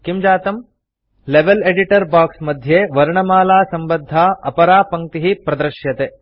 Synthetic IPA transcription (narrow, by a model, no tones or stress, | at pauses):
kimd͡ʒaːt̪ɐm | leʋeleɖiʈɐɾbaːksmɐd̪ʱjeːʋɐɾɳɐmaːlaːsɐmbɐd̪ʱːaːɐpɐɾaːpɐŋ̚t̪iɦipɾɐd̪ɾʃjɐt̪e